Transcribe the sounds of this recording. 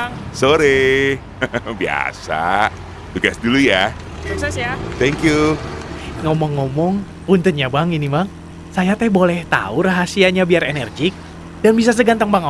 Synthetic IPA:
soɾe | bia̰sa̰ | t̪uɡa̰sduluja | suksɛsjat̪ɛŋkju | ŋɔmɔŋːɔmɔŋ | punt̪ət̪ɲabaŋinimaŋ | sajat̪ɛbolɛht̪a̰uɾaɦasiaɲabiarenɛrd͡ʒɪk̚ | danbis̬as̬əɡant̪aŋbaŋ

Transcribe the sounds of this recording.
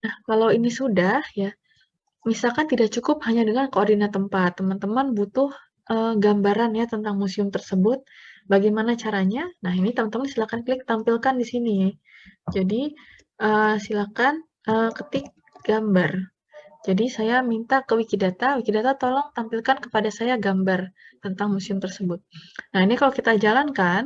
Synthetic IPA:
nahkalawinisudahja | misalkant̪idak̚t͡ʃukʊp̚haɲadəŋankoːrdinant̪əmpat̪ːəmant̪əmanbut̪ʊh | ʔəɡambaɾanjat̪ənt̪aŋmusiʊmt̪ərsəbʊt̪̚baɡajmanat͡ʃaɾaɲanaɦinit̪əmant̪əmansilakankəlɪk̚t̪ampilkandisini | d͡ʒadi | ʔəːsilakan | ʔəkət̪ɪk̚ | ɡ̥ambar | d͡ʒadisajamint̪akəwikidat̪awikidat̪at̪olɔŋt̪ampilkankə̥padasajaɡambart̪ənt̪aŋmusiʊmt̪ərsəbʊt̪̚nahinikalowkit̪ad͡ʒalankan

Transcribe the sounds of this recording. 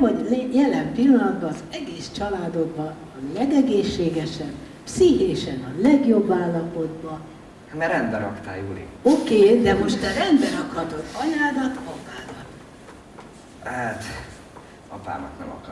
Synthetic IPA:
ɒljɛlɛmpilːɒnɒd̪bɒːzɛɡeːst͡ʃɒlaːd̪o̞ɡ̪̚bɒː | lɛɡɛɡeːʃːeːɡɛʃɛn | siɦeːʃɛnɒlɛɡjo̞bːaːlːɒpo̞d̪bɒ | mɛɾɛnd̪bɛɾɒkt̪a̰ːjuɾḭokeːd̪ɛmo̞ʃt̪ɛrɛnd̪bɛɾɒkhɒt̪o̞d̪ɒɲaːd̪ɒt̪ɒpaːd̪ɒt̪ | hat̪ | ɒpa̰ːnɒknɛ̰mɒ̰k

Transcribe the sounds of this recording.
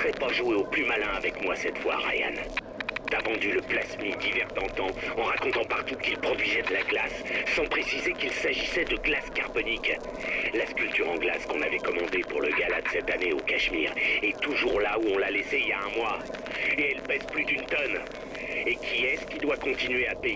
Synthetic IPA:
ʁɛpaʒueoplymalɛ̃avɛkmwasɛt̪fwa̰ʁa̰ja̰n | t̪avɑ̃d̪yləplasmid̪ivɛʁt̪ɑ̃t̪ɑ̃ɑ̃ʁakɔ̃t̪ɑ̃paʁt̪ukilpχɔd̪ɥizɛd̪əlaɡlasːɑ̃pχesizekilsaʒisɛd̪əɡlaskaʁbɔnik | laskʲylt̪yʁɑ̃ɡla̰z̥kɔ̃navɛkɔmɑ̃d̪epuʁləɡalad̪sɛt̪aneokaʃmḭːʁet̪uʒuʁlauɔ̃laleseiljaɛ̃mwa | eɛlpɛzplyd̪ynt̪ɔn | ekʲʰiɛsə̥kʲid̪wakɔ̃t̪inɥeape

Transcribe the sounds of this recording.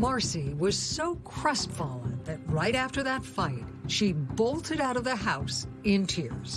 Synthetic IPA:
mɑɹsiwʌz̥soʊkʰɹ̥ʌspfɑlˠə̃nðɨt̚ɹaɪɾæftə˞ðɨtfaɪt̚ʃiboʊlˠtʰɨɾaʊɾʌvðɨɦaʊsɪ̃ntʰɪɹz̥

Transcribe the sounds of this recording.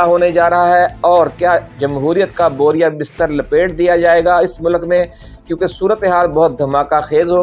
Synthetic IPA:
aɦoːned͡ʒaːɾɐɦaɦɛɔːɾkjaːd͡ʒɐmɦuːɾijət̪̚kaboːɾijabɪst̪əɾlɐpeːʈ̚d̪ijad͡ʒaːeːɡaɪsmʊlkmẽ | kjõːkesuːɾət̪eɦaːlbɐɦʊt̪̚d̪ʱɐmaːkaxeːzɦoː

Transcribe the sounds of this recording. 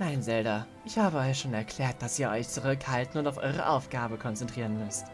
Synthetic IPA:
naɪnzɛldɐʔɪçhaːbəɔʏçʃoːnɛɐkʰl̥ɛːɐt̚d̥asiːɐʔɔʏçt͡suʁʏkhaltn̩ʊntaʊfʔɔ̰ʏʁ̞ə̰ʔaʊfɡ̥aːbəkʰɔnt͡sɛntʁ̥iːʁənmʏst

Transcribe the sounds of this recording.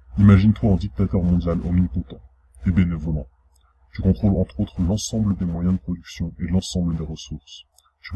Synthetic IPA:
imaʒint̪waɑ̃d̪ik̚t̪at̪œʁmɔ̃d̪jalo̰mnikɔ̃t̪ɑ̃ | ebenevɔlɑ̃ | ʒ̥əkɔ̃t̪χolɑ̃t̪χot̪χəlɑ̃sɑ̃bləd̪emwajɛ̃d̪əpχɔd̪yksjɔ̃ʔelɑ̃sɑ̃bləd̪eʁəsuʁs | ʒ̥ə

